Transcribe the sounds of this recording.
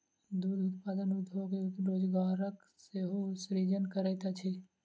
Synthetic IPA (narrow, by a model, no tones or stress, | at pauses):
d̪uːd̪ʊt̪paːd̪ənʊd̪ʱɦoːkeɾoːd͡ʒɡaːɾək | seɦosɾid͡ʒənkəɾɛt̪at͡ʃʰe